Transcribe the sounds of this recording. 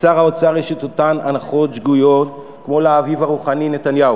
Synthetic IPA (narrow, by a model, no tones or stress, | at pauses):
t͡saʁaot͡saʁeʃit̪ot̪ananaχo̞t̪ʃɡujo̞t̪ | kmo̞leaːvivaʁuχaninet̪anjau